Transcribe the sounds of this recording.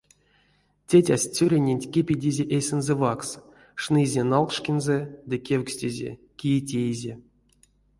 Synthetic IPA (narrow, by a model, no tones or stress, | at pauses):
tʲetʲasʲt͡sʲuɾʲenʲenʲtʲkʲepʲidʲizʲeʔejsʲɨnzɛvaks | ʂnɨzʲenalˠkʂkʲenzɛd̪ɨkʲewksʲtʲezʲḛ | kʲijetʲejzʲe